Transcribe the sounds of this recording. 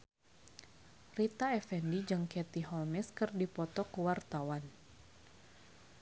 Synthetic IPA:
rit̪aɛfɛndid͡ʒɨŋkɛt̪iɦɔlmɛskɨrdipɔt̪ɔkuwart̪awan

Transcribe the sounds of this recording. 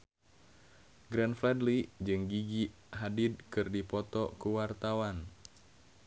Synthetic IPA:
ɡɾɛnflɛdlid͡ʒɨŋɡiɡi | ɦadid̚kɨrdipɔt̪ɔkuwart̪awan

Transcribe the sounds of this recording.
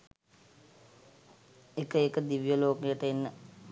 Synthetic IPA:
ekəekəd̪iʋijəloːkejəʈəenːə

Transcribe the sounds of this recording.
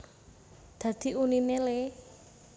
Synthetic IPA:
d̪̥ä̤d̪̥i̤uninele

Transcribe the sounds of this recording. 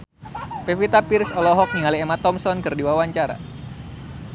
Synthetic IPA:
pefit̪apirsɔlɔɦɔk̚niŋaliemat̪ɔmsɔnkɨrdiwawaɲt͡ʃaɾa̰

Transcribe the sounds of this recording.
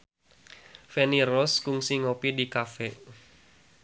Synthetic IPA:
fenirɔskuŋsiŋopidikafɛ

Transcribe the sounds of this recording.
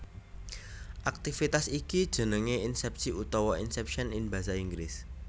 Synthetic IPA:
ʔak̚t̪ifit̪asikid̥ʒ̥ə̤nəŋeinsɛp̚siut̪ɔwɔinsɛpʃɔnɪnba̤saiŋɡɾɪs

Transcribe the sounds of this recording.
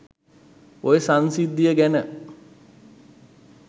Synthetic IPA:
ojəsansid̪ːijəɡænə

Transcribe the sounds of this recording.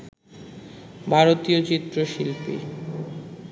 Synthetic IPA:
bʱaɾot̪iot͡ɕit̪ːɾoʃilpḭ

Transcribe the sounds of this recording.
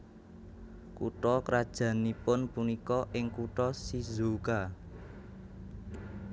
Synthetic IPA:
kṵʈɔkɾad̥ʒ̥ä̤nipʊnpunikɔʔɪŋkuʈɔsizoka

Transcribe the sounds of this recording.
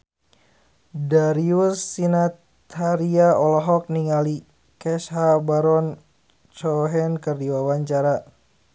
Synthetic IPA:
daɾiusːinat̪ʰ | aɾiaɔlɔɦɔk̚niŋali | kɛsɦabaɾɔn | t͡ʃɔɦɛnkɨrdiwawaɲt͡ʃaɾa

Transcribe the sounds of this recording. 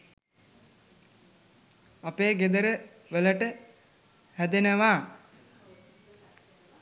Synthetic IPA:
apeːɡed̪əɾə | ʋələʈə | hæd̪enəʋaː

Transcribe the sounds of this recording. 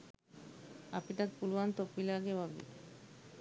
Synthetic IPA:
apiʈat̪̚pulant̪opilaɡewabḭ

